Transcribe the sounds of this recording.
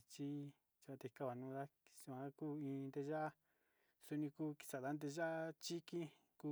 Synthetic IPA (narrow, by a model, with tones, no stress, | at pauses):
t͡ʃi˦ | t͡ʃi˧a˧t̪e˧i˧ka˦˧βa˨nũː˧˦˧d̪a˦i̥˧su˧ã˧˦kuː˦ĩː˧nd̪e˧ʒa˦ʔa˦ | su˧nĩ˧kuː˦ki̥˧sa˨ða˧˦nd̪̬e˧ʒa˦a˦t͡ʃi˦kĩ˦ | ku˧